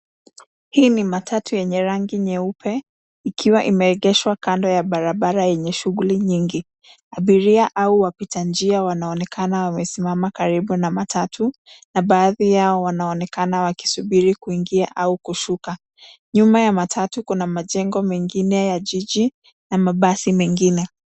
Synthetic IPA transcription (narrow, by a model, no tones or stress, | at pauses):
hiːnimatʰatujɛɲɛɾaŋɡiɲɛupʰɛ | ikʰiwaʔimɛɾɛɠɛʃwakandɔjaɓaɾaɓaɾajɛɲɛʃuɣuliɲiŋɡi | aɓiɾiaʔauwapitand͡ʒiawanaɔnɛkʰanawamɛsimamakaɾiɓunamatʰatʰunaɓaːðijaɔwanaɔnɛkanawaki̥suɓiɾikuiŋɡiaʔaukuʃuka | ɲumajamatʰatukunamaʄɛŋɡɔmɛŋɡinɛjaʄiʄi | namaɓasimɛŋɡinɛ